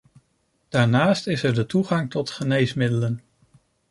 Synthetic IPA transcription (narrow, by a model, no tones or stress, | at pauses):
d̥aːɹnaːstɪsɛɹdətuχɑŋtɔtχənejsmɪdələn